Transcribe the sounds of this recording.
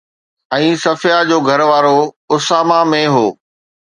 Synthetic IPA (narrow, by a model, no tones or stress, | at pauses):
ɛ̃ːsɐfɪjad͡ʑoːɡʱɐɾʋaːɾo | ʊsaːmamẽɦoː